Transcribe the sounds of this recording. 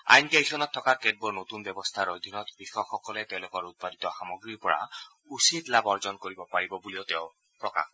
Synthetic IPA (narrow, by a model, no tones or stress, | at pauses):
a̰jnkejsʰɔnɔt̪ʰːɔkaɾked̚boɹnot̪unbɔbɔst̪ʰaɾod̪ʱinɔt̪bixɔkʰːɔkɔlet̪eʊ̃lokɔɹut̪̚padit̪ɔxamɔɡɹiɹpɔɹa̰ | usit̪labɔɹzɔnkoɹibɔpaɹibɔbuliot̪eʊ | pɹɔka̰kʰ